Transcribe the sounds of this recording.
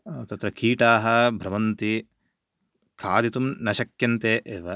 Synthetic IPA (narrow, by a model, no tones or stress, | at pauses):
t̪ɐt̪ɾɐkiːʈaːɦɐbʱɾɐʋɐnt̪i | kʰaːd̪it̪umnɐʃɐkjɐnt̪eːʔeːʋɐ